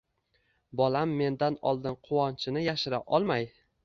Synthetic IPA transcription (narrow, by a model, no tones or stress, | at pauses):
bɒlamːe̞nd̪anɒ̰lˠd̪ɪnqʰʊwɒnt͡ʃʰɪnɪjaʃɪɾaʔɒlˠmaj